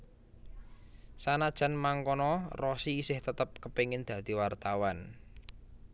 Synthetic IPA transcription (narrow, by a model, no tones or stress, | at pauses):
sanad̥ʒ̥a̤nmaŋkɔnɔrɔsiːsɪht̪ət̪əp̚kəpeŋɪnd̪̥ä̤d̪̥i̤wart̪awan